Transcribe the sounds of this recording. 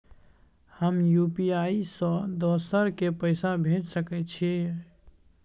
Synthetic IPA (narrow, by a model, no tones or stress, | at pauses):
həmjupiaisɔ̃d̪ɔsəɾkepəɪsabʱed͡ʒsəkɛt̪t͡ʃʰi